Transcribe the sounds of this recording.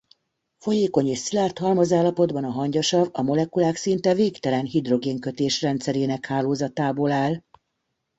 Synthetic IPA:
fo̞jeːko̞ɲeːʃsilaːrt̪hɒlmɒzaːlːɒpo̞d̪bɒnɒɦɒɲɟɒʃɒvɒmo̞lɛkulaːksint̪ɛveːkt̪ɛlɛnɦid̪ro̞ɡeːŋkø̞t̪eːʃrɛnt̪sɛɾeːnɛkhaːloːzɒt̪aːboːlaːl

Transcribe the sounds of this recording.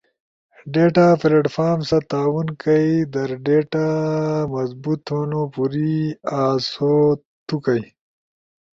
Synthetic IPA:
ɖeʈafleɖfaːmsɐt̪aːwunkɐjd̪ɐɾɖeʈamɐzbut̪onopuɾiaːso | t̪ukɐj

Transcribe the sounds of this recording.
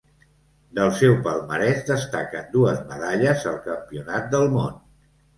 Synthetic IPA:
d̪əlˠsɛwpəlˠməɾɛzd̪əst̪akənd̪uəzməðaʎəzəlˠkəmpiunat̪̚d̪əlˠmon

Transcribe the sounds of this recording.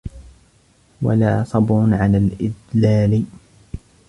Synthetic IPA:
wa̰laːsˤɑbɾʊnʕalalʔɪd̪laːlɪ

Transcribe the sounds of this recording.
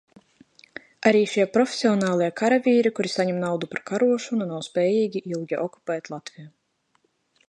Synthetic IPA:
aɾiːʃiɛpɾɔfʲe̥sʲiɔnɑːlˠiɛkaɾavʲiːɾikuɾisaɲɛmnawd̪upaɾkaɾuɔʃununawspʲɛːjiːɡʲiʔilˠɡʲiʔɔku̥pʲɛːt̪ʲlˠat̪vʲija

